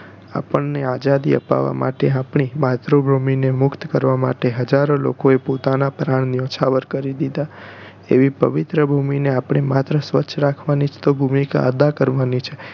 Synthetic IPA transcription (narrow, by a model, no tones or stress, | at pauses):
a̰pəɳnead͡ʒad̪ḭə̰pa̰ʋa̰ma̰ʈeapɳ̃imat̪ɾobɾuminemʊkt̪kəɾʋama̰ʈeɦəd͡ʒaɾolo̰koepot̪anapɾaɳniot͡ʃʰaʋəɾkəɾid̪id̪a | ḛʋipəʋit̪ɾəbʱumineapɳ̃emat̪ɾəsʋətːʃʰɾakʰʋanit͡ʃʰt̪obʱumika̰əd̪akəɾʋanit͡ʃʰe̥